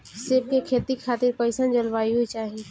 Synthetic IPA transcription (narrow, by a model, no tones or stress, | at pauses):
seːb̚kekʰeːt̪ixʰaːt̪ɪɾpɐɪsaːnd͡ʒɐlʋaːiɦoit͡ʃaːɦieː